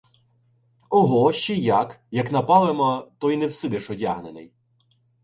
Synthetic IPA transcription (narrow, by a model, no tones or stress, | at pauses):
ɔɦɔʃt͡ʃɛjakjɐkn̪ɐpɑlˠemɔt̪ɔjnewsɪd̪ɪʃɔdʲaɦnenɪ̰j